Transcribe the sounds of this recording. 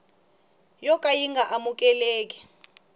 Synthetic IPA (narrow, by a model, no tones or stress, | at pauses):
jɔkʼajiŋɡʱaʔamuk̬ʼɛleːk̬ʼi̥